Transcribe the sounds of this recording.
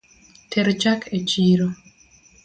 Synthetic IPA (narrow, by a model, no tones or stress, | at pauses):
tʰeɾt͡ʃakʰet͡ʃiːɾo